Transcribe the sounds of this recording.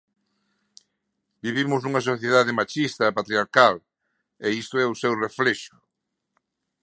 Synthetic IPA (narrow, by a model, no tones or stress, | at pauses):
biβimʊznuŋɐs̬oθjeðaðemat͡ʃist̪ɐpat̪ɾjaɾkal | eist̪oɛusewreflɛʃʊ̥